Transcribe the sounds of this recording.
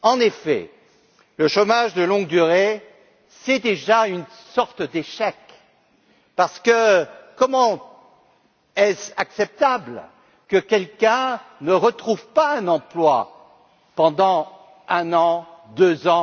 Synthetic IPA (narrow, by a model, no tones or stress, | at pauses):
ɑ̃nefɛ̰ | ləʃomaʒd̪əlɔ̃ɡd̪yʁe | sɛd̪eʒayn | sɔʁt̪d̪eʃɛk | paʁsə̥kəkɔmɑ̃ | ɛsaksɛp̚t̪abl | kəkʲɛlkʲɛ̃nəʁət̪χuvpaɛ̃nɑ̃plwa | pɑ̃d̪ɑ̃ | ɛ̃nɑ̃d̪øzɑ̃